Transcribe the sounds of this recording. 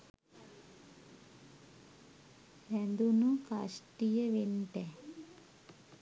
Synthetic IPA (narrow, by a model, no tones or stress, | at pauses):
hænd̪unukasʈijəʋenʈɛ